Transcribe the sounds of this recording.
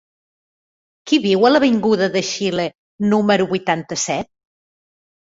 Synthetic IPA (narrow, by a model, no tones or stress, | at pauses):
kiβiwələβiŋɡuðəðəʃile | numəɾuβujt̪ant̪əsɛt̪̚